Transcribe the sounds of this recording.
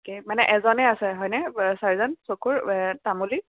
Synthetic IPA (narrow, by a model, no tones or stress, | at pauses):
kemanɛʔɛzɔnɛasɛɦɔjnɛsaɹizɔnsokuɹtamuli